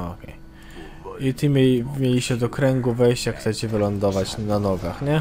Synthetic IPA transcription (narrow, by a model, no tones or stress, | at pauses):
o̰kʲḛj | it̪ɘmʲemʲjelʲiɕɛd̪ɔkɾɛŋɡuvɛjɕt͡ɕjakxt̪sɛt͡ɕɛvɘlɔnd̪ɔvat͡ɕnanɔɡaxɲɛ